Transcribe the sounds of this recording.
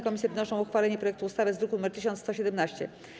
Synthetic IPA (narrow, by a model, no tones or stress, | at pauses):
kɔmʲisjɛvɘnɔʂɔ̃w̃uxfalɛɲɛpɾɔjɛkt̪uːst̪avɘzd̪ɾukunumɛɾt̪ɘɕ̬ɔnt̪st̪ɔɕɛd̪ɛmnaɕt͡ɕɛ̰